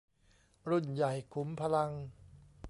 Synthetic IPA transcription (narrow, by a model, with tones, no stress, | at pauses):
ɾu˥˩nja˨˩jkʰu˩˦mpʰa˧la˧ŋ